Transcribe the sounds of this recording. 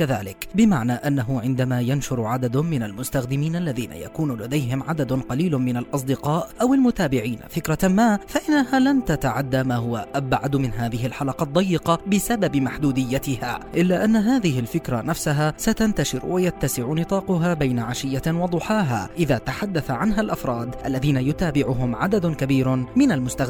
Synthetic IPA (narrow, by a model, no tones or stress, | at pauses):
kaðaːlɪkbɪmaʕnaːʔanːaɦʊʕɪnd̪amaːjanʃʊɾʕad̪ad̪mɪnalmʊst̪axd̪ɪmiːnʔalːaðiːna̰ja̰kuːnʊlad̪ajɦɪmʕad̪ad̪qɑliːlmɪnalʔɑs̬ˤd̪ɪqɑːʔʔawalmʊt̪aːbɪʕiːnfɪkɾˤamaːfaʔɪnːahaːlant̪at̪aʕad̪ːaːmaːhʊwa̰ʔʔabʕad̪mɪnɦaːðɪɦɪlħalɑqɑd̪ˤːɑjːɪqɑbɪsababɪmaħd̪uːd̪ɪjːat̪ɪha̰ːʔɪlːaːʔanːaɦaːðɪhɪlfɪkɾˤanafsaɦaːsat̪ant̪aʃɪɾ̰wajat̪ːasɪʕʊnɨt̪ˤɑːqʊɦaːbajnaʕaʃɪjːawɑd̪ˤʊħaːɦa̰ːʔɪðaːt̪aħad̪ːaθaʕanɦalʔafɾˤɑːd̪ʔalːaðiːnajʊt̪aːbɪʕʊɦʊmʕad̪ad̪ʊkabiːɾmɪnalmʊst̪a